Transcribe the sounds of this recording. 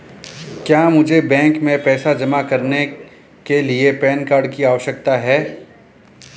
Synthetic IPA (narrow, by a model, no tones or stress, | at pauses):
kjaːmʊd͡ʒʱebɛ̃ːŋkmẽpɛːsad͡ʒɐmakɐɾne | keliepɛːnkaːɾɖ̚kiaːʋəʃjək̚t̪aɦɛː